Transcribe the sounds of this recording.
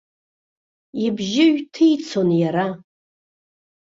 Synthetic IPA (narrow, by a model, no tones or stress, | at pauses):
ibʒɪɥtʰɨjt͡sʰonjaɾa